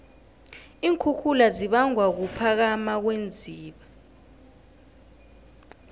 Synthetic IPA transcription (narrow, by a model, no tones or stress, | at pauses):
iːŋkʰukʰulaziɓaŋʱwak̬upʰak̬amak̬wend͡zʱiːɓa